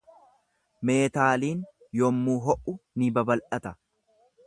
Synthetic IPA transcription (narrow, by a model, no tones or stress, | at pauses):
me̞ːt̪aːliːn | jɔmːuːɦɔʔʊnɪbɐbɐlʔɐt̪ɐ